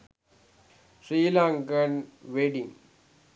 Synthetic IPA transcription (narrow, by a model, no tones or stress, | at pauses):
sɾiːlãŋɡənʋeɖĩŋ